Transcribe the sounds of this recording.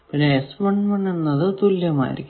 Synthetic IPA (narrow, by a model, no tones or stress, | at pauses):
pinːeːsbɐɳmɐɳenːɐðɨt̪ulːjɐma̰ːjḭɾḭkʲː